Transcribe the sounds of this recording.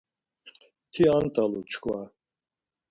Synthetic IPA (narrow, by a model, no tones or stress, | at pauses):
t̪ʰiant̪ʼalut͡ʃʰkʰwa